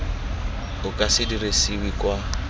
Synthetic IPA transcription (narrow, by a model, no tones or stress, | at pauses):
ʊkʼasɪdiresɪwikʼwa